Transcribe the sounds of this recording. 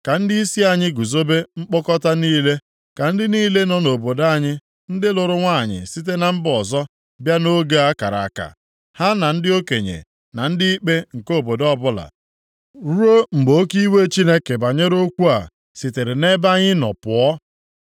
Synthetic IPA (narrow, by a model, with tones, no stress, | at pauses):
ka˨n̩˦di˦i˦si˦a˨ɲɪ˦ɡu˨zo˦be˦ŋ͡m̩˦k͡pɔ˦kɔ˦ta˦niː˦le˦ | ka˨n̩˦dɪ˦niː˦le˦nɔ˦no˨bo˨da˦˨ɲɪ˦ | n̩˦dɪ˦lʊ˨ɾʊ˦ŋʷa˦˨ɲɪ̰˨si˦t̬e˦na˨m̩˦bɔ˨zɔ˦ | bja˦no˦ɡe˦a˦ka˨ɾa̰˨a˨ka̰˨ | ha˦na˨n̩˦dɪ˦o˦ke˨ɲḛ˨ | na˨n̩˦dɪ˦i˦k͡pe˦ŋ̩˨ko˦˨bo˨dɔ˦bʊ˦la̰˨ | ɾu˦o˦ŋ͡m̩˨ɡ͡bo˦ki˦we˦t͡ʃi˦ne˦ke˨ba˨ɲe˦ɾo˦kʷu˦a̰˨ | sɪ˨te˨ɾɪ˨ne˦ba˦ɲɪ˦nɔ̰˨pʊ˨ɔ˦